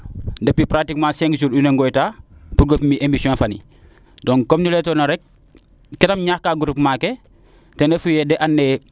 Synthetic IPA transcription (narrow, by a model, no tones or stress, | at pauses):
ndɐpipɾaktikmãːsɛŋkzuːɾuneŋɡojtaːpuɡofmiʔemisiɔ̃nfɐnḭ | dɔŋkomnilɛtoːnɐɾɛk̚ | kɛtɐmɲaːhkaːɡuɾupmaːke | tendɐfujɛdɛʔanːe